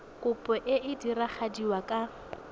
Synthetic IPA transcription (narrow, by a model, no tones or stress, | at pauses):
kʼʊpʼɔʔɪʔɪdiraχadiwakʼa